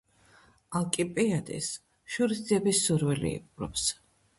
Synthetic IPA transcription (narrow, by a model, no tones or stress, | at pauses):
alˠkʼipʼiad̪ʼḭs | ʃuɾisd̪ziɛbisuɾvɛlḭːqʼɾɔ̰ps